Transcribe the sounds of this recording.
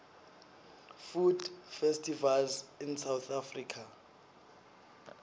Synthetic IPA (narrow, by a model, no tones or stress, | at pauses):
fud̥fɛstʰʼivalzinsawθʰafriːkʰa